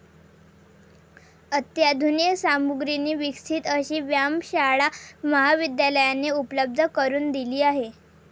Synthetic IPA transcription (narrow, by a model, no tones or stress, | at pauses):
ət̪jad̪ʱunijəsamuɡɾiniːʋiksʰiːt̪əɕiːʋjamɕaɭaməɦaʋid̪jaləjaneupləb̚d̪ʱəkəɾuːnd̪iliːaɦe